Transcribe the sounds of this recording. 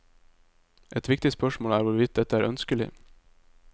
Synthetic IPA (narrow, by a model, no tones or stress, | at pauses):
ʔɛt̪ʋɪk̚t̪ɪspœʃmoːlæːɾʋʊɾʋɪt̪̚d̪ɛt̪əæːɾʔœnskəlɪ̰